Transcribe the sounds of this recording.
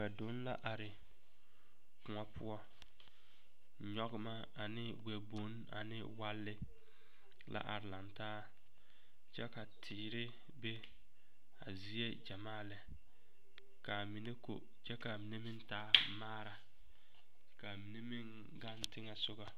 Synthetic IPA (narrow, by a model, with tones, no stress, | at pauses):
ka˨do˦n˦la̰˦ʔa˨ɾɪ˨ | kʊ˨ɔ˦pʰʊ˦ɔ˦ | ɲɔ˦ɣɪ˦ma˦ | a˨nɪ˦ɡ͡bɛ˨bo˨˦n | a̰˨nɪ̰˦wa˦lːɪ˦ | la̰˦ʔa˨ɾɪ˨la˨ntaː˦ | t͡ʃɛ˦ka˨tʰɪː˨ɾɪ˦ | be˦ | a̰˨zi˦e˦d͡ʒa˨maː˦˨lɪ˨ | ka˨mi˨ne˦ko̰˨ | t͡ʃɛ˦ka˨mi˨ne˦mɪ˦n˦taː˦maː˦ɾa˨ | ka˨mi˨ne˦mɪ˦ŋ | ɡa˦ntɪ˦ŋɛ˨sʊ˦ɣa˨